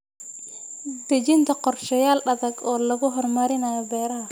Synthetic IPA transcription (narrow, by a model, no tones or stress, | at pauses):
d̪ɐd͡ʒɪnt̪ʰɐqɔrʃɐjaːlɗɐðɐɡɔːlɐɣʊɦɔrmɐɾɪnajɐbɛːɾaː